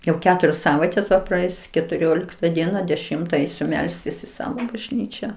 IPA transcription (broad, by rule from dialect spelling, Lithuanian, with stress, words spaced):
jɛʊ ˈkʲæːtʊrʲoːs ˈsɑːʋɐɪtʲeːs ˈʋɐ prɐˈɛɪs kʲɛtʊˈrʲoːlʲɪktɐ ˈdʲiɛnɐ dʲɛˈʃʲɪmtɐ ˈɛɪsʲʊ ˈmʲɛlʲsʲtʲɪs ɪ ˈsɑːʋoː bɐʒʲˈnʲiːt͡ʃʲæː